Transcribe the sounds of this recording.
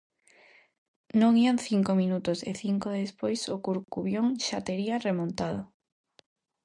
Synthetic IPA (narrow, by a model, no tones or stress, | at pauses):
nõŋianθiŋkomĩnut̪osḛθiŋkoðespojsʊkuɾkuβjoŋʃat̪eɾiaremõnt̪að̞o